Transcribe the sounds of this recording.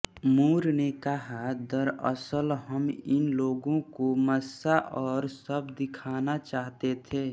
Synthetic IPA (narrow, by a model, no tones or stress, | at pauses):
muːɾnekəɦad̪əɾə̰səlɦəmɪnloːɡõkoməsaʔɔːɾsəbd̪ɪkʰaːnat͡ʃaːɦt̪et̪ʰeː